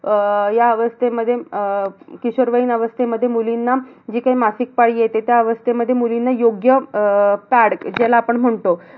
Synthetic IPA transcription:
jaəʋəst̪eməd̪ʱːje | kiɕoɾʋəinəʋəst̪ʰeməd̪ʱːjemulinːad͡ʑiːkaimasik̚paɽiːjet̪et̪jaəʋəst̪ʰeməd̪ʱːjemulinːajoɡjəpæɽkd͡ʑelaːpəɳm̤əɳt̪o

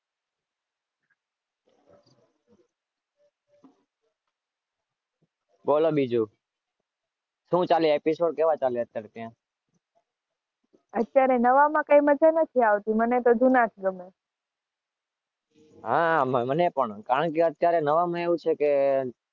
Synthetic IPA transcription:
bolobid͡ʒu | ʃũt͡ʃaleepisoɖ̚keʋat͡ʃaleət̪jaɾet̪jã | ət̪jaɾenəʋamãkaiməd͡ʒanət̪ʰiaʋt̪imənet̪od͡ʒunat̪ʰɡəme | ɦammənepəɳkaɾəɳkeət̪jaɾenəʋamãeʋũt͡ʃʰeke

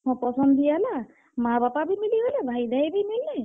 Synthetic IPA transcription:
ɔ̃pɔsɔnd̪ijala | mabapabimiliɦojlɛbʱajd̪ʱajbimilːɛ

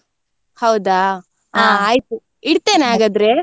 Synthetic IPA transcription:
hɐwd̪aː | aːaːjt̪u | iɽt̪eːneaːɡad̪ɾe

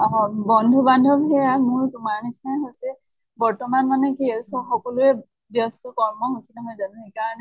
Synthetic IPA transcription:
bɔndʱubandʱɔbʱɛjamʊɹtʊmaɹnisnaɦojsɛ | bɔɹtɔmanmanɛkiɛsɔxɔkɔlʊɛ | bjɔstɔkɔɹmɔɦosilɛmojzanũekaɹɔnɛ

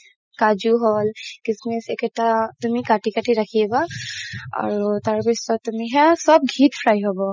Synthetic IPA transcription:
kad͡ʒuɦɔlkɪsmisɛkɛtat̪ʊmikaʈikaʈiɾakʰiɛba | a̰ɹut̪aɹpisɔt̪ʊmiɦɛsɔb̚ɡʱit̪pʰɹajɦɔbɔ

